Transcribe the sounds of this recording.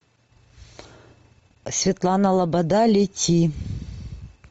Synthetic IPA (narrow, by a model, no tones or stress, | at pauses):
sʲvʲɪt̪lˠanəlˠɐbɐd̪alʲitʲʰi